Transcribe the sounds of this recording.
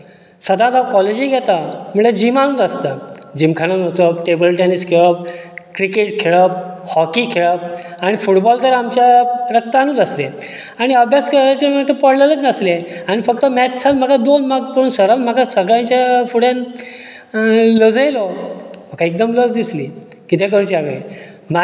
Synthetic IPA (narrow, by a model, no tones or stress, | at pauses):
səd̪ʱãt̪akɔled͡ʑiːɡʱɛt̪am̤uɭed͡ʑimanũːd͡z̪əst̪ad͡ʑimkʰananot͡səpʈebəlʈeniskʰeɭəp̚kɾikeʈkʰeɭəp̚hɔkikʰeɭəp̚aɽ̃ifuʈbɔlt̪əɾamt͡ɕjaɾəkt̪anũːd͡z̪əsle | aɽ̃iəbʱjaskəɾajt͡ɕemət̪əpəɽlələt̪nəsleaɽ̃ifəkt̪əmɛt̪sʰat̪m̤akad̪onmaɡpəɾuːnsəɾat̪m̤akasəɡɭjãɲt͡ɕjafuɽjan | ləd͡zəjlɔm̤akaek̚d̪əmləd͡zd̪isli | kit̪ʰekəɾt͡ɕiaʋḛ | ma